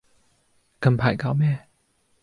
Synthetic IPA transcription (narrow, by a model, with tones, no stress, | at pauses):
kɐ˨˧mpʰa˨˩jka˨˥˦wmɛː˥˩˨